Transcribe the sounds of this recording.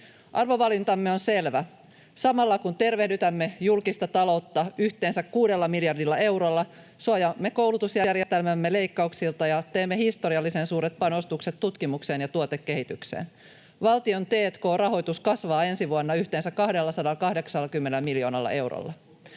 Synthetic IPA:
ʔɑrʋo̞ʋɑlint̪ɑmːe̞o̞nse̞lʋæ | sɑmɑlːɑkunt̪e̞rʋe̞hdyt̪æmːe̞julkist̪ɑt̪ɑlo̞wt̪ːɑyçt̪eːnsækkuːde̞lːɑmiljɑrdilːɑe̞wɾolːɑ | suɑjɑmːe̞kowlut̪usjærjest̪elmæmːele̞jkːɑuksilt̪ɑjɑt̪eːmːehist̪o̞ɾiɑlːisensuːɾet̪̚pɑno̞st̪ukset̪tːut̪kimukse̞ːnjɑt̪uot̪ekːe̞ɦit̪yksḛːn | ʋɑlt̪io̞nt̪eːt̪ko̞ːrɑɦo̞jt̪uskɑsʋɑːe̞nsiʋuɑnːɑyçt̪eːnsækkɑhdelːɑsɑdɑlkɑhde̞ksɑlːɑkymːenelmiljo̞ːnɑ̰lːɑ̰ʔe̞wɾo̰lːɑ̰

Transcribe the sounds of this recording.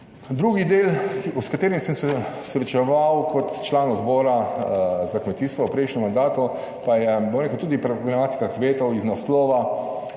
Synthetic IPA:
d̪ɾuːɡid̪eːluskat̪eːɾimsəmsɛsɾɛt͡ʃɛʋawkʰɔt̪t͡ʃlaːnɔd̪bɔːɾa | zakmɛt̪iːst̪ʋɔwpɾɛɪjʃnʲɛmand̪aːt̪u | pajɛbɔmɾekəwt̪uːd̪ipɾɛbɾɛmaːt̪i̥kakʋeːt̪ɔwiznaslɔːʋa

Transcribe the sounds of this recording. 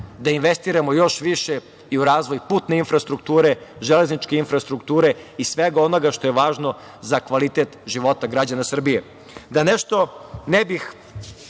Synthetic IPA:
d̪ainʋe̞st̪iːɾamojo̞ʃʋiʃe | iuɾaːzʋojpuːt̪ne̞infɾast̪ɾuk̚t̪uːɾe̞ʒele̞znit͡ʃkeinfɾast̪ɾukt̪uːɾe̞isʋeɡao̞no̞ɡaʃt̪o̞jeʋaːʒno̞ | zakʋalit̪et̪ʒiʋo̞t̪aɡɾad͡ʑanasr̩bije | d̪aneʃt̪o̞nebix

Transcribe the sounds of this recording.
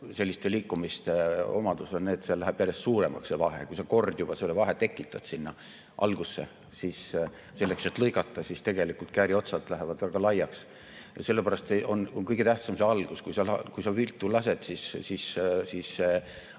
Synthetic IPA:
se̞lːist̪eliːkːumist̪e̞o̞̰mɑd̪̥usonneːt̪selæɦæb̥jælest̪suːɾe̞mɑ̰ksevɑɦe̞̰kujsɑko̞rd̪̥jub̥ɑselːevɑɦet̪e̞kːˑit̪ːˑɑd̪̥sinːɑ | ʔɑ̰lɡ̥usːe | sis | se̞lːekse̞t̪ːlɤjkɑt̪ːˑɑsist̪e̞ɡ̥e̞likult̪kæːɾio̞t̪sɑd̪læɦevɑd̪̥væɡ̥ɑlɑjːɑks | jɑ̰se̞lːepæɾɑst̪eʔo̞nonkɤjɡ̥e̞t̪æht̪sɑmseɑlɡ̥uskujsɑlɑkujsɑvilt̪ˑːulɑse̞d̪̥sisːissisːe

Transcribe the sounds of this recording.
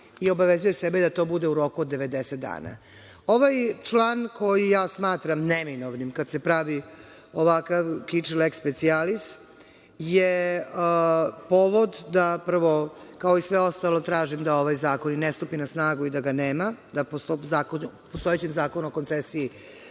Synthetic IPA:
io̞baʋezuje̞sebed̪at̪o̞ːbud̪e̞uɾo̞kuod̪ːe̞ʋe̞d̪eset̪̚d̪a̰ːna̰ | o̞ʋajt͡ʂlˠaːnko̞jijaːsmaːt̪ɾamneminoʋnimkad̪se̞pɾaʋi | oʋakaʋkit͡ʂlekspet̪sialis | je | poʋo̞d̪d̪aprʋo̞kaoisʋeo̞st̪alo̞t̪ɾaːʒimd̪ao̞ʋajzaːko̞ninest̪upinasnaːɡuid̪aɡaneːmad̪apost̪ozaːkonupost̪o̞et͡ɕemzaːkonuokont̪sesii

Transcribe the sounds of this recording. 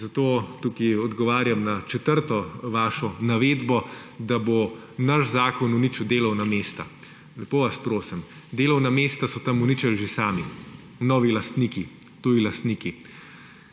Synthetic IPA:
zat̪oːt̪ukiɔd̪ɡɔʋaːɾjamnat͡ʃɛt̪əɾt̪ɔʋaːʃɔnaʋeːd̪bɔd̪abo | naʃzaːkɔnunit͡ʃud̪eːlɐwnameːst̪a | lɛpoːʋaspɾoːsɛm | d̪eːlɐwnameːst̪asɔt̪ɐmunit͡ʃalʒesaːmi | nɔːʋilɐst̪niki | t̪uːilɐst̪niːki

